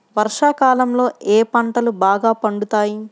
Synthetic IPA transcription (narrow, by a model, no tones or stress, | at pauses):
ʋɐɾʂaːkaːlɐmlo̞ːeːpɐɳʈɐlubaːɡaːpɐɳɖut̪aːji